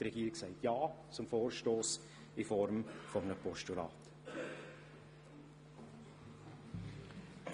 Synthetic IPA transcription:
ɾɛɡiːɾɪksaɪtjɑː | t͡sʊmfoːrʃtoːs | ifɔɾmfɔmənəpɔʃtulɑ̰ːt

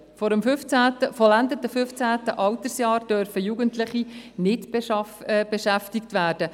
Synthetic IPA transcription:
fɔɾəmføft͡sæːtəfɔlænd̪ətəfʏft͡sæːt̪əʔɑlt̪əsjɑːɾd̥œɾfəjuɡəntlɪχinɪtb | b̥ɛʃæftɪktʋæːɾd̥ə

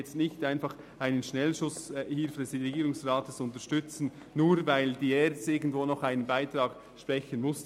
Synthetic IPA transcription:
ɛt͡stnɪçtaɪnfɑχ | aɪnənʃnɛlʃʊshɪlfədɛsrɛɡiːɾʊŋsrɑːtʰəsʊntəʃtʏt͡sn̩ | nuːɾvaɪld̥iːɛɾtɪɡn̩dvoːnɔχaɪnənbaɪtɾɑːɡ̥ | ʃpɾɛçənmʊs

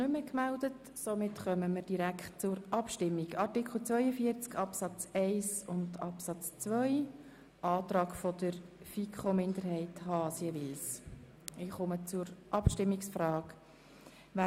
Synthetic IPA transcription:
nʏməkmældət | somɪtχœməməɾd̥iɾækχtt͡sʊɾʔɑpʃtɪmːiɡɑɾtɪkχl̩ˠt͡svœʏəfiəɾt͡skɑpsɑt͡sɛɪsʊndɑpsɑt͡st͡sʋœʏ | ʔɑːt̪ɾɑːɡfɔd̥əɾfikʰχomɪndəɾhɛɪthɑːsiəʋɪls | ɪχʊmət͡sʊɾʔɑpʃtɪmːiksfɾɑːk | ʋa

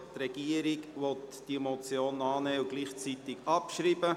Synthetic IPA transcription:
t̪ɾɛɡ̥iəɾiɡʋɔt̪d̥imɔt͡sjoːnɑːnɛːʊɡliːχt͡sit̪ɪkɑpʃɾiːbə

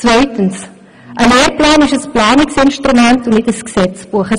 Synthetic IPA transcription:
t͡svœɥtəns | ʔəleːrplaːnɪʃəsplɑːnɪksɪnʃtrumæntʊnnɪtəsksɛt͡sb̥uəχə

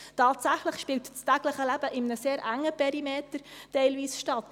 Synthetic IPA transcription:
tɑːtsæχləχʃpɪltt͡stæɡləχəlæb̥əʔɪmnəseːɾʔæŋːəpʰɛɾimeːtəɾtɛɪlviːsʃtɑt̪

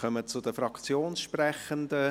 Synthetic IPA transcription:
χœmət͡sʊd̥əfɾɑkt͡sjoːnsʃprɛχəndə

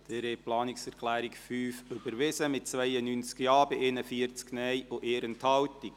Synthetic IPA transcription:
d̪̥ɛɾeplɑːniksɛɾkʰlæːɾikfyːfʏbəɾʋɪsəmɪt̚t͡sʋɛjənynt͡skjɑːbɪʔeːnəfiəɾt͡sknɛjʔʊʔeːɾənthɑwtik

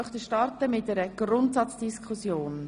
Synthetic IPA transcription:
œχt̪əʃtɑɾtəmɪt̚dɛɾəɡ̥rʊntsɑt͡sd̥iskχusjoːn

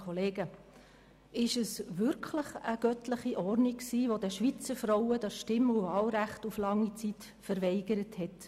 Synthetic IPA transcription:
ɔleːɡə | ɪʃəsʋʏɾkʰləχəɡ̥œtləχiʔɔrniksiːʋodɛʃʋit͡səɾfɾɔwəd̥ɛʃtɪmuvɑːlɾæχtuflɑŋːit͡sit | fəɾʋɛɪɡ̥əɾəthɛt

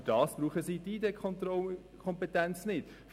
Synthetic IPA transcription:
d̥ɑːsb̥ɾuːχəsiːdiːdɛkʰɔtɔ | kʰɔmpɛtɛnt͡snɪt | f

